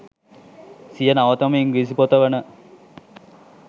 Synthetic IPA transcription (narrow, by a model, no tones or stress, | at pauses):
sijənaʋɐt̪ɐmɐiŋɡis̬ipot̪əʋənə